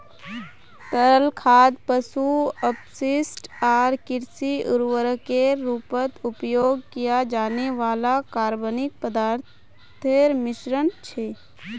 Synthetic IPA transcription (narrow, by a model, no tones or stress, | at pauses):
t̪əɾəlkʰaːd̪pəsuəpsɪsʈaːɾkɪɾsiʊɾʋəɾəkeːuːpət̪ʊpjoːɡkijad͡ʒaːneʋaːlakaːɾbənɪk̚pəd̪aːɾt̪ | t̪ʰeɾmɪʃɾənt͡ʃʰeː